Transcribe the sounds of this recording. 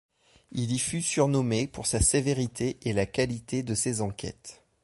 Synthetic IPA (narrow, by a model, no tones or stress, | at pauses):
ilifysyʁnɔmepuʁsaseveʁit̪ʰeʔelakalit̪ed̪əsezɑ̃kʲʰɛ̰t̪